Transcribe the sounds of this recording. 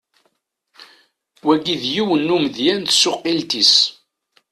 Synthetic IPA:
wæɡiðjiwənːuməðjænt̪sʊqːilt̪is

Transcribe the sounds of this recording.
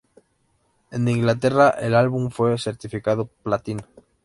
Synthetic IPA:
end̪iŋɡlat̪eraʔelalβ̞uɱfweseɾt̪ifikaðoplat̪in

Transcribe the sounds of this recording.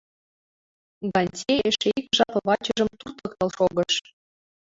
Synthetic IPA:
ɡɑnʲtʲeeʃeikʒɑpɤ̆βɑt͡ɕɤ̆ʒɤ̆mt̪urt̪ɤ̆kt̪ɤ̆lˠʃoɣɤ̆ʃ

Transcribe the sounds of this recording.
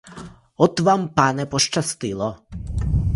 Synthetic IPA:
ɔt̪vampanɛpɔʂt͡ʃast̪ilɔ

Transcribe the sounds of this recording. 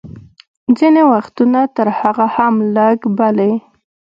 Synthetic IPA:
d͡zinewaxt̪unat̪əɾhaɣahamləɡbale

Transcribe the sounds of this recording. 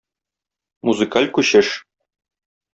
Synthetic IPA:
muzɨkalʲkʉɕɘʃ

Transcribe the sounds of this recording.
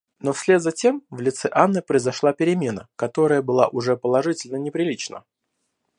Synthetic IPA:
no̞fsʲlʲet̪zɐtʲemvlʲɪt̪sɛʔanːɨpɾəɪzɐʂlˠapʲɪɾʲɪmʲe̞nə̰kɐt̪o̞ɾəjəbɨlˠa̰ʔʊʐɛpəlˠɐʐɨtʲɪlʲnənʲɪpɾʲɪlʲit͡ɕnə̰

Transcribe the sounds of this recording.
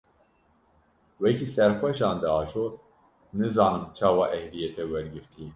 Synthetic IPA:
wɛkʰiːsɛɾxʷɛʃɑːnd̪ɛɑːt͡ʃʰoːt̪ | nɨzɑːnɨmt͡ʃʰɑːwɑːʔɛhɾijɛt̪ɛwɛɾɡɨɾt̪ʰi

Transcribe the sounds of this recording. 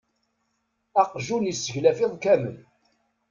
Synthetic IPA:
ɑqʒunisːəçlæfɪðˤkæmə̰l

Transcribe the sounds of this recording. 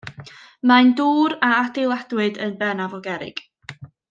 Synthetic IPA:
manduːɾaadɪlˠadwɨdənbɛnavɔɡɛɾɪ̰ɡ̥

